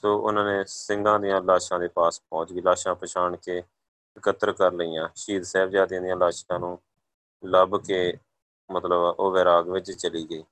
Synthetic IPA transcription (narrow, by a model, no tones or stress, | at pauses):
soːʔʊ̰nãːneːsɪŋɡãːd̪ɪjãːlaːʃãːd̪eːpaːspɔ̃ːt͡ʃɡiːlaːʃãːpəʃʰaːɳkeː | ɪkət̪ːəɾkəɾləijãːʃiːd̪sɛːbd͡ʒaːd̪iãːd̪ijãːlaːʃkãːnũː | ləbkeː | mət̪ləbʔoːʋɛːɾaːɡʋɪt͡ʃt͡ʃəliːɡəiː